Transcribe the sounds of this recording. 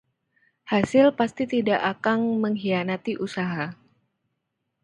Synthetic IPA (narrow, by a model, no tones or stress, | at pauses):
hasɪlpast̪it̪idaʔakaŋməŋɦianat̪iʔusaɦa